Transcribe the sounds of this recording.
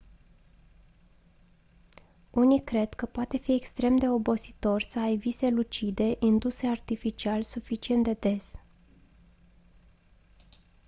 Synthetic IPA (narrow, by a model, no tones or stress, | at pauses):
unikɾe̞d̪̥kəpoat̪e̞fiekst̪ɾe̞md̪e̞o̞bo̞si̥t̪o̞rsəajvise̞lut͡ʃid̪e̞ʔind̪use̞art̪ifit͡ʃialsufit͡ʃie̞nt̪d̪e̞d̪e̞s